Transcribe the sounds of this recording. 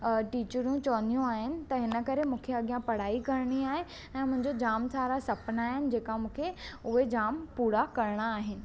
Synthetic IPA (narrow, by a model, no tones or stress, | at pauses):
ʈiːt͡ɕəɾũt͡ɕɔːnijũaːɦɪnɪ̆t̪ɐɦɪnəkɐɾemũːkʰeɐɠijãpɐɽ̤aːikɐɾɽ̃iaːɦe | ɛ̃ːmʊ̃ɦɪ̃ɲd͡ʑod͡ʑaːmsaːɾasɐpənaːɦɪnɪ̆d͡ʑeːkamũːkʰeʊɦed͡ʑaːmpuːɽakɐɾɽ̃aːɦɪnɪ̆